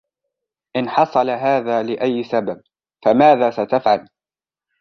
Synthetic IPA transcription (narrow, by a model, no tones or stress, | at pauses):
ʔɪnħɑsˤɑlaɦaːðaːlɪʔajːsabab̚ | famaːðaːsat̪afʕal